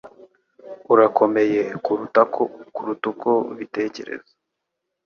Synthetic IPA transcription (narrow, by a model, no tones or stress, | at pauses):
uɾako̞me̞jekuɾutakʰokuɾutukoβite̞ːce̞̰ɾḛza